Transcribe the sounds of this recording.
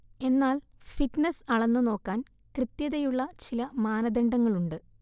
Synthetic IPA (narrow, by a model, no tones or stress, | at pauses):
e̞nːaːl | fitnɐsɐɭɐnːuno̞ːkːaːn | krɨt̪jɐðɐjuɭːɐt͡ɕilɐmaːnɐd̪eɳɖɐŋːɐɭuɳɖɨ